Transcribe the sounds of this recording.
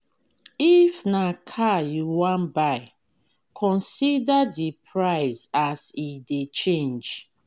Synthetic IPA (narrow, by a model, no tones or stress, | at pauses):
ifnakʰajuwãnbaɪ | kʰɔ̃nsidadipʰɹaɪzasidet͡ʃẽnd͡ʒ